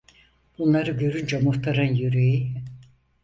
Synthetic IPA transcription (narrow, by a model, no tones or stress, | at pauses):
b̥unlˠaɾɯɟø̞ɾynd͡ʒɛmuht̪ʰaɾamjyɾej